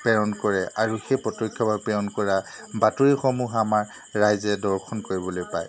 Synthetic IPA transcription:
pɛɹɔnkɔɹɛʔaɹuxejpɹɔtɔkʰːɔbabpɛɹɔnkɔɹabatuɹixɔmuɦamaɹː | ajzɛdɔɹkʰɔnkoɹibɔlojpaj

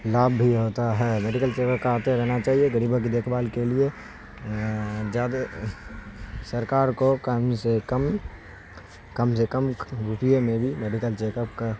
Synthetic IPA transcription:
laːbʱːiɦoːt̪aɦɛːmeːɖɪkəlt͡ʃeːkəpkaːt̪eɾɛɦnat͡ʃaːɦieɡəɾiːbʱokid̪eːkʰbaːlkelie | d͡ʒaːd̪ | səɾkaːɾkokəmsekəm | kəmsekəmɾupijemẽbʱimeːɖɪkəlt͡ʃeːkəp̚ka

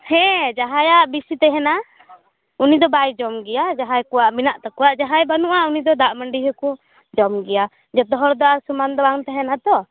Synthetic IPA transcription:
hɛ̃d͡ʒaɦajaʔbisit̪ɛɦɛna | unid̪ɔbajd͡ʒɔmɡɛjad͡ʒaɦajkɔwaʔminaʔt̪akɔaʔd͡ʒaɦajbanuʔaunid̪ɔd̪aʔməɳɖiɦɔkɔ | d͡ʒɔmɡɛja | d͡ʒɔt̪ɔɦɔɾd̪ɔasumand̪ɔaŋt̪ɛɦɛnat̪ɔ

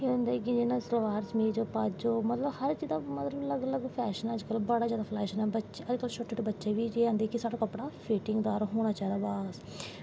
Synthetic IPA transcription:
eːɦõnd̪aːɛkɪd͡ʒɪnãːsɾʋaːɾt͡ʃmẽːd͡ʒoːpaːd͡ʒoːmət̪ləbhəɾt͡ʃiːd̪aːmət̪ləbləɡləɡpʰɛːʃənəd͡ʒkəlbəɽaːzjaːd̪aːpʰlɛːʃənɛ̃ːbəʃeəd͡ʒkəlʃʊʈːəɖbətːʃeːʋiːd͡ʒeːãːnd̪eːkɪsaːɽaːkəpɽaːpʰiːʈɪŋɡd̪aːɾɦoːɽ̃aːt͡ʃaːɦɛd̪aːbaːs

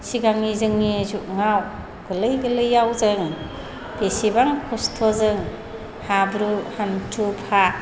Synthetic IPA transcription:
siɡaŋizɯŋnizuʔ̚ŋaw | ɡ̥ɯlɯjɡɯlɯjawzɯŋ | b̥esibaŋkʰɔstʰɔzɯŋ | habɾuhantʰupʰa

